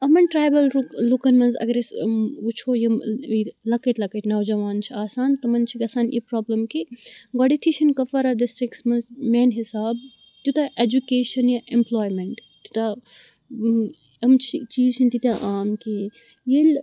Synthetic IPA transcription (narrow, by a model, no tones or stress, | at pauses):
ɐmɐnʈɾaːjbɐlɾloːkɐnmɐnzɐ̰ɡɐɾesut͡ʃʰoːjimlɐkɐt̪lɐkɐt̪naːwd͡ʒɐʋaːnt͡ʃʰiaːsaːnt̪ɐmɐnt͡ʃʰiɡɐsaːnʔḭpɾaːblɐmkiɡɔɽit̪ʰiʃʰɐnkɐfɐɾaɖɪsʈɾiksmɐnzmeːnɦisaːb | t̪ʲjut̪ɐʔed͡ʒukeːʃɐnjɐʔemploːjmeɳʈt̪jut̪ɐ | ɐmt͡ʃʰit͡ʃiːzt͡ʃʰinʲt̪it̪ʲaʔaːmki | jil